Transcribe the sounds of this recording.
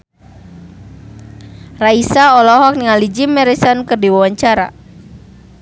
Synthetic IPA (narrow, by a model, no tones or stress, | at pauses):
raisaɔlɔɦɔk̚niŋalid͡ʒimɛɾisankɨrdiwawaɲt͡ʃaɾa̰